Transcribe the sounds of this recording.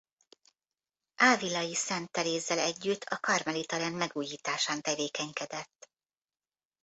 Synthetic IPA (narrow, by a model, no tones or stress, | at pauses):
ʔaːvilɒjisɛnt̪ːɛleːzːɛlɛɟːyt̪ʰːɒkɒrmɛlit̪ɒɾɛnmɛɡuːjiːt̪aːʃaːnt̪ɛveːkɛɲkɛd̪ɛt̪ː